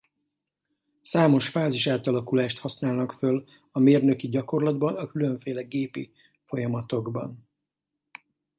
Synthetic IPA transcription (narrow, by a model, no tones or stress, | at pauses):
saːmo̞ʃfaːziʃaːt̪ɒlɒkulaːʃt̪hɒsnaːlnɒkføl | ɒmeːrnø̞kiɟɒko̞rlɒd̪bɒnɒkylø̞ɱfeːlɛɡeːpḭ | fo̞jɒmɒt̪o̞ɡbɒ̰n